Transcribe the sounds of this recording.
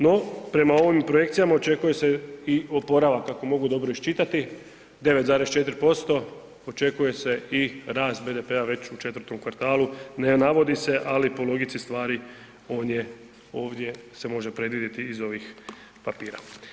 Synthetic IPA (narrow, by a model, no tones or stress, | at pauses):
no̞pɾe̞mao̞ʋimpɾoje̞kt̪sijamao̞t͡ʃe̞kuje̞se̞io̞po̞ɾaʋakːako̞mo̞ɡud̪o̞bɾoiʃt͡ʃit̪at̪i | d̪e̞ʋe̞t̪zaːɾest͡ʃe̞t̪ɾpo̞st̪o̞ | ot͡ʃe̞kuje̞se̞iɾaːst̪be̞ːd̪e̞pe̞aʋe̞t͡ɕut͡ʃe̞t̪ʋəɾt̪omkʋaɾt̪aːlˠunenaʋo̞d̪ise̞ʔalipo̞lo̞ɡit̪sist̪ʋaːɾi | o̞ːnje̞ | o̞ːʋd̪ʲje̞se̞mo̞ʒe̞pɾe̞d̪ʋid̪ʲjet̪iːzo̞ʋix | papiːɾa̰